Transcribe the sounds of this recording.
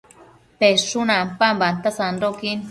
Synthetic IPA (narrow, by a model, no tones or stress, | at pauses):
peʂunampambant̪asandokin